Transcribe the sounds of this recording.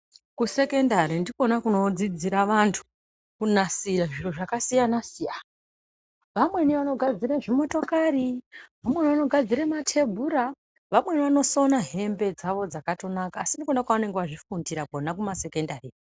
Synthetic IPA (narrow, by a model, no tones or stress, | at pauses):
kuse̞ke̞ndaɾindikonakuno̞d͡zid͡ziɾaʋantʰu̥ | kunasiɾaʐiroʐakasijanasijan | ʋamwe̞niʋano̞ɡʱad͡ziɾaʐimo̞to̞kaɾiʋamwe̞niʋano̞ɡʱad͡ziɾematʰe̞bʱuɾa | ʋamwe̞niʋano̞so̞naɦe̞mbe̞d͡zaʋo̞d͡zakato̞nakaːsindikonakwaʋane̞ŋɡeʋaʐifundiɾakonakumase̞kendari